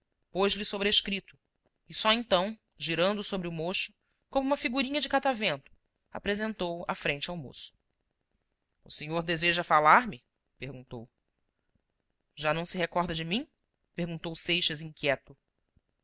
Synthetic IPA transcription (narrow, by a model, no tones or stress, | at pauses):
poʒlɪsobɾeʃkɾit̪ʊ̥ | ɪsɔẽnt̪ɐ̃w̃ | ʒiɾɐ̃nd̪ʊsobɾɪʊmoʃʊ̥ | kõmʊũmɐfiɡuɾĩɲɐd͡ʒɪkat̪avẽnt̪ʊ̥ | a̰pɾezẽnt̪owa̰fɾẽnt͡ʃɪawmo̰sʊ̥ | ʊseɲoɾd̪ezeʒɐfalaɾmɪ | peɾɡũt̪o̰w | ʒanɐ̃w̃sɪɦekɔɾd̪ɐd͡ʒɪmĩ | peɾɡũnt̪owsejʃɐzĩŋkʲjɛt̪ʊ